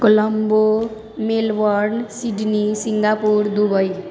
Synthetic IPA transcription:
kolʌmbo | melwʌɾnsiɖnisiŋɡapuɾd̪ubʌj

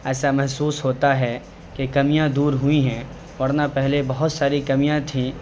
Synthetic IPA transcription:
ɛːsamɛɦsuːsɦoːt̪aɦɛ | kekɐmijãd̪uːɾɦʊiɦɛ̃ː | ʋɐɾnapɛɦlebɐɦʊt̪saːɾikɐmijãt̪ʰĩ

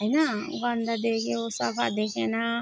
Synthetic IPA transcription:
jna | ɡand̪ad̪ekeosapa̰d̪ekʰena

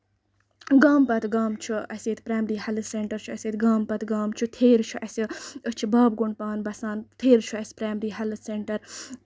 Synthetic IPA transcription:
ɡaːmpɐt̪ɡaːmt͡ʃʰuɐsʲeːt̪pɾaːmɾiːhɐlɨseɳʈɐɾt͡ʃʰuɐseːt̪ɡaːmpɐt̪ɡaːmt͡ʃʰut̪ʰeːɾt͡ʃʰuʔɐsiət͡ʃʰibaːb̚ɡuɳɖ̚paːnbɐsaːnt̪ʰeːɾt͡ʃʰuɐsʲpɾaːmɾiːɦɐlɨseɳʈɐɾ

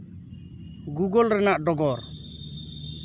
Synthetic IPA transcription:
ɡuɡɔlɾɛnaʔɖɔɡɔɾ

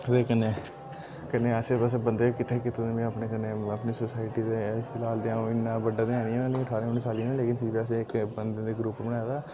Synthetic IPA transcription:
d̪eːkəneː | kəneːəsebəs̬ebənd̪eːkɪt̪ʰːeːkɪt̪ed̪eːmẽəpnekəneːəpneːsəsaːɪʈiːd̪eːpʰɪlaːld̪eãːɪnːãːbəɖaːd̪eãːniɛ̃ːnãːnĩəʈʰaːɾẽːʊnːiːsaːlĩnẽːleːkɪnpʰɪɾbiːəs̬eɪkbənd̪eːd̪eːɡɾupbənaːd̪aː

